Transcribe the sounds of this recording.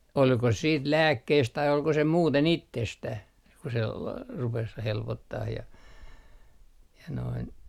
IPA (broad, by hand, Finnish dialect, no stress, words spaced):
olko siːt læːkːeist tɑi olko se muːten itːestæh ku se lɑ rupes helpotːɑh jɑ jɑ noin